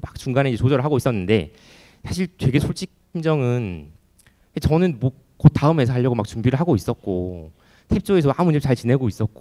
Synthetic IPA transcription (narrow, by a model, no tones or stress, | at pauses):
mak̚t͡ɕuŋɡaneid͡ʑet͡ɕod͡ʑʌɾɭɦaɡois͈ʌnːɯnde̞̰ | sʰaɕʰiɭt͡ɕwe̞ɡe̞sʰoɭt͡ɕ͈ik̚pʰind͡ʑʌŋɯn | kat͡ɕʌnɯnmʌ | kʌt̚t͈aɯmɦe̞sʰʌɦaʎːʌɡomak̚t͡ɕuŋbiɾɯɭɦaɡois͈ʌt̚k͈o | tʰe̞p̚t͡ɕ͈oesʰʌamund͡ʑʰep̚t͡ɕaɭt͡ɕine̞ɡois͈ʌt̚k͈o